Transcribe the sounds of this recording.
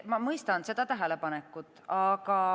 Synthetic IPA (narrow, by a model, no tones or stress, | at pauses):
mɑmɤjst̪ɑnse̞d̪̥ɑt̪æɦele̞pɑnekːˑut̪ːˑɑkɑ